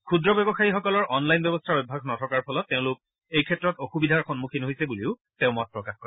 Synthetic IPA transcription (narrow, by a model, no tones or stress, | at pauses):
kʰudɹɔbɛbɔxaixɔkɔlɔɹʔɔnlajnbɛbɔstʰaɹobʱaɡnɔtʰɔkaɹpʰɔlɔtːeʊ̃lʊk̚ | ejkʰɛtɹɔtoxubidʱaɹxɔnmukʰinɦojsɛbuliʊ | teʊ̃mɔt̚pɹɔkaxkɔɹ